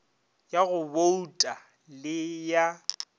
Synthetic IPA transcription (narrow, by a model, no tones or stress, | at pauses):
jaɣʊboutʼa | lɪja